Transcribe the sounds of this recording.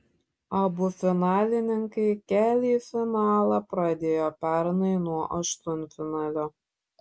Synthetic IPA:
ɐbʊfʲɪnɑːlʲɪnʲɪŋkɐɪkʲæːlʲiːfʲɪnɑːlˠɐpɾɐd̪ʲeːjoːpʲæɾnɐɪnuɔʔɐʃt̪ʊnʲfʲɪnɑːlʲoː

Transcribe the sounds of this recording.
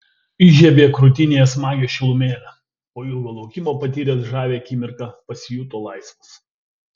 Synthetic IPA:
ɪʒʲɛbʲeːkɾʊt̪ʲɪnʲeːɛsmɑːɡʲoːʃʲɪlˠʊmʲeːlʲɛ | oːɪlˠɡoːlˠɐʊkʲɪmoːpɐt̪ʲiːɾʲeːsʒɑːʋʲeːɐkʲiːmʲɪɾkɑpɐsʲɪjuːt̪oːlˠɐɪsʋɐs

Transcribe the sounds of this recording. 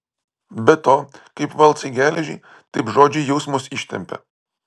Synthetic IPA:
bʲɛt̪oːkɐɪpʋɐlˠt̪sɐɪɡʲæːlʲɛʒʲɪ̰ɪ | t̪ɐɪpʒoːd͡ʒʲɪjɛʊsmʊsɪʃʲt̪ʲɛ̰mʲpʲɛ̰

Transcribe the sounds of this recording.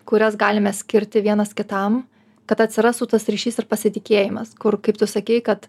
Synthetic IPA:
kʊɾʲɛsɡɑːlʲɪmʲɛsʲkʲɪɾʲt̪ʲɪʋʲiɛnɐskʲɪt̪ɐm | kɐt̪ɐt̪ʲsʲɪɾɑːst̪uːt̪ɐsɾʲiːʃʲiːsɪrpɐsʲɪt̪ʲɪkʲeːjɪmɐskʊrkɐɪpt̪ʊsɐkʲɛɪkɐt̪

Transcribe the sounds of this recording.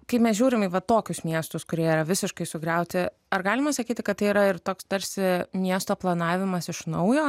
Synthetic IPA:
kɐɪpmʲɛsʒʲuːɾʲɪmiʋɐt̪oːkʲʊsmʲiɛst̪ʊskʊɾʲiɛiːɾɐʋʲɪsʲɪʃkɐɪsʊɡɾʲɛʊt̪ʲɪ | ɐɾɡɑːlʲɪmɐsɐkʲiːt̪ʲɪkɐt̪t̪ːɐɪiːɾɐɪɾt̪oːkst̪ɐɾʲsʲɪmʲiɛst̪oːplˠɐnɑːʋʲɪmɐsɪʃnɐʊjoː

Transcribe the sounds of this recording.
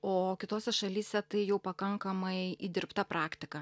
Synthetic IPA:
oːkʲɪt̪oːsʲɛʃɐlʲiːsʲɛt̪ɐɪjɛʊpɐkɐŋkɐmɐɪid̪ʲɪɾpt̪ɐpɾʔɑːkt̪ʲɪkɐ

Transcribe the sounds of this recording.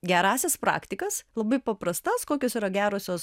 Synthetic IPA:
ɡʲɛɾɑːsʲɛspɾɑ̰ːkt̪ʲɪkɐslˠɐbɐɪpɐpɾɐst̪ɐskoːkʲoːsiːɾɐɡʲæːɾoːsʲoːs

